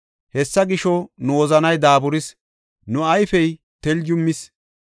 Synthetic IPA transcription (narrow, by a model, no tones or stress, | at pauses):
hɛsːɐɡɪʃɔnʊwɔzɐnɐjd̪aːbʊɾɪs | nʊɐjfɛj | t̪ɛld͡ʒʊmːɪs